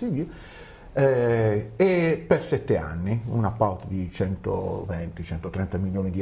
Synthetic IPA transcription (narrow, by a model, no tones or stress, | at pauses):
ilo | ɛ | epersɛt̪ːea̰nːiṵnapːawt̪d̪it͡ʃɛnt̪o̰vɛnt̪it͡ʃɛnt̪ot̪ɾɛnt̪amiljoːnid̪i